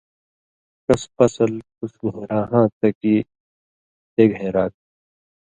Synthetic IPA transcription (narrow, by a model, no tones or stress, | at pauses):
kɐspɐsəlkʊsɡʱoːɾaːɦãːt̪ɐki | t̪eːɡʱẽːɾaːt̪̚ː